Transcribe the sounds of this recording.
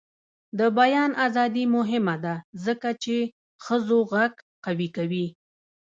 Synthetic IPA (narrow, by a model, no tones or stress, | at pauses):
d̪əbajɑnʔazɑd̪imʊɦɪmad̪azəkat͡ʃe | xəzoɣaɡqawikawi